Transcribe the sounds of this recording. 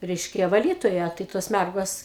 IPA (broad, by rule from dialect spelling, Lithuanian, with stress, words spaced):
ˈrʲɛɪʃʲkʲɛ ʋɐˈlʲiːtoːjɛ tɐɪ ˈtoːs ˈmʲærɡoːs